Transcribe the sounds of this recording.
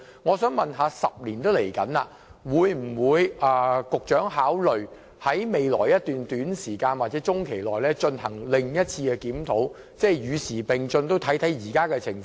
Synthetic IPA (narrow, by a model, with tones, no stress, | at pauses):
ŋɔː˨˧sœː˨˥ŋmɐ˨nɦaː˨˧sɐ˨p̚liː˨˩nt̪o˥wle˨˩jkɐ˨˥na̰ː˧ | wuː˨˧jm̩˨˩wuː˨˧jɐː˨˧kʊ˨k̚t͡ʃœː˨˥ŋɦaː˨˥wlɵ˨ɥ | hɐ˨˥jme˨jlɔː˨˩jjɐ˥t̪̚yː˨nt̪yː˨˥nsiː˨˩kaː˧nwaː˨˩t̚t͡sɛː˨˥t͡sʊ˥ŋkʰe˨˩jlɔː˨˩jlɛː˥t͡ʃɵ˧nhɐ˨˩ŋlɪ˨˩ŋjɐ˥t̚t͡sʰiː˧kɛː˧kiː˨˥mt̪ʰo˨˥w | t͡sɛː˥˩jjyː˨˧siː˨˩pɪ˨ŋt͡sɵ˧nt̪o˥wt̪ʰɐ˨˥jt̪ʰɐ˨˥jjiː˨˩kaː˥kɛː˧t͡sʰɪ˨˩ŋf